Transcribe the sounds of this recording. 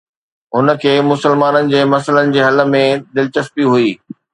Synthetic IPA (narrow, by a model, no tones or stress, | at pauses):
ɦʊnə̆kʰeːmʊsəlmaːnənɪ̆d͡ʑeːmɐsələnɪ̆d͡ʑeːɦɐlə̆mẽd̪ɪlɪt͡ɕəspiɦuiː